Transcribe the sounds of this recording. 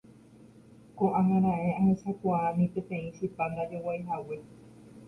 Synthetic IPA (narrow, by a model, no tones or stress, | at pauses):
koʔãɦãɾ̃ãẽahesakuaanĩpẽt̪ẽĩsipand̪ad͡ʒowajɦawe